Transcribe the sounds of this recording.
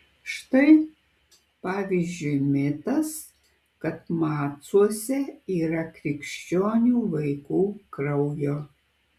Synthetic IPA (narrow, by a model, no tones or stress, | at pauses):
ʃt̪ɐɪ | pɑːʋʲiːzʲd͡ʒʲʊɪmʲɪt̪ɐs | kɐt̪mɑːt̪suɔsʲɛiːɾɐkɾʲɪkʃʲt͡ʃʲoːnʲuːʋɐɪkuːkɾɐʊjoː